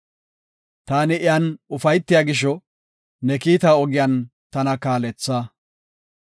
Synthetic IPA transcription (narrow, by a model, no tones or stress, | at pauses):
t̪aːnɪʔɪjanʊfɐjt̪ːɪjaːɡɪʃ̬ɔ | nɛkiːt̪aːɔɡɪjant̪ɐnɐkaːlɛt͡sːaː